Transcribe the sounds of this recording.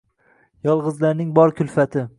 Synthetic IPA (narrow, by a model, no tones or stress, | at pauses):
jɒlˠʁɨzlaɾnɪŋbɒɾkʲʰʊlˠfat̪ʰɪ